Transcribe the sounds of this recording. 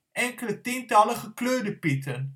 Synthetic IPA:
ʔɛŋkələtintɐləχəkløːdəpitən

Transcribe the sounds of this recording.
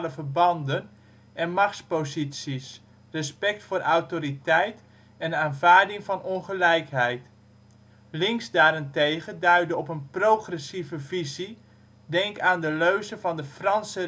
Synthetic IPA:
ləvərbɑndən | ʔɛnmɑχtspowzisis | rəspɛk̚tfʊːɾʔawtoɾitɛjt | ɛnaːnvaːɹdɪŋvɑnɔnχəlɛjkɦɛjt | lɪŋzdaːɾɪntejχədœɥdəɔpənprowχrɛsivəvizi | dɛŋkaːndəløɥzəvɑndəfrɑnsə

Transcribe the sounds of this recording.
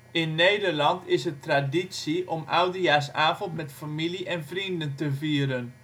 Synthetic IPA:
ɪnːejdərlɑntɪsətraditsiʔɔmʔawdəjaːsaːvɔntmɛtfamiliʔɛnvrindəntəviːəɾən

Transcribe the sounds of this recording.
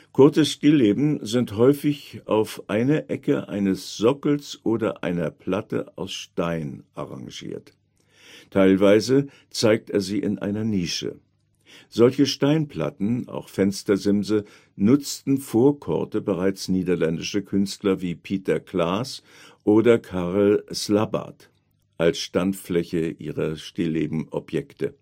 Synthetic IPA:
kʰʊɐt͡səsʃtiːleːbm̩zɪnthɔʏfɪçʔaʊfʔaɪnɐʔɛkəʔa̰ɪnəsz̥ɔkl̩sʔoːdɐ̰ʔa̰ɪnɐpʰl̥atə̰aʊsʃtaɪnʔa̰ʁa̰ŋʒḭːɐt | tʰaɪlvaɪzə | t͡saɪk̚teːɐziːʔɪnʔa̰ɪnɐniːʃə̰ | z̥ɔlçəʃtaɪnpʰl̥a̰tn̩a̰ʊxfɛnstɐzɪmzə | nʊt͡stn̩foːɐkʰɔ̰ɐtəbəʁaɪt͡sniːdɐlɛndɪʃəkʰʏnstlɐviːpʰiːtɐklaːs | ʔoːdɐkʰaʁl̩slaba̰t | ʔalsʃtantflɛçəʔiːʁɐʃtɪleːbm̩ʔɔ̰pjɛktə̰

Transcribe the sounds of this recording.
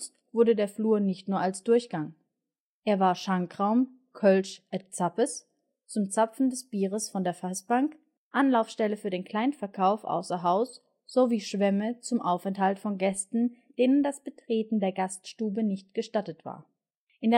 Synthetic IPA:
stv̥ʊɐdədeːɐfluːɐnɪçtnuːɐalsd̥ʊɐçɡ̥aŋ | ʔeːɐvaːɐʃaŋkʁ̥aʊm | kʰœlʃʔɛtt͡sapəs | t͡sʊmt͡sapp͡fn̩dɛsb̥iːʁəsfɔndeːɐfasb̥aŋk | ʔanlaʊfsʃtɛləfyːɐdeːnkl̥aɪnfɛɐkʰaʊfʔa̰ʊsɐɦaʊs | z̥oviːʃv̥ɛmət͡sʊmʔaʊfɛnthaltfɔnɡɛstn̩ | d̥eːnəndasb̥ətʁ̥eːtn̩deːɐɡastʃtuːbənɪçt̚ɡ̥əʃtatətv̥a̰ːɐ | ʔɪndeː

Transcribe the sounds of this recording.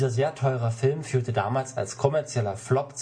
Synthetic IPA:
zɐzeːɐtʰɔʏʁəfɪlmfyːɐtəda̰ːmaːlsa̰lskʰɔmɛɐt͡sjɛlɐflɔpt͡s

